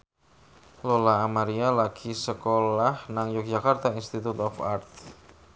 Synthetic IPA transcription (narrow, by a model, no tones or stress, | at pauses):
lolaːmaɾialaɡ̥isəkolahnaŋjʊk̚dd͡ʒakart̪ainst̪it̪ut̪ɔfa̰rt̪̚